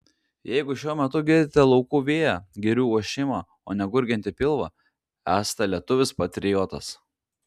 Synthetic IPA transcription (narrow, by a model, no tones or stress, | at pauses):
jɛɪɡʊʃʲuɔmʲɛt̪ʊɡʲɪɾʲd̪ʲɪt̪ʲɛlˠɒʊkuːʋʲeːjæːɡʲɛɾʲuːuɔʃʲɪmɑː | o̰ːnʲɛɡʊɾʲɡʲɛnt̪ʲɪpʲɪlˠʋɑ | æːst̪ɐlʲiɛt̪ʊʋʲɪspɐt̪ʲɾʲɪjoːt̪ɐs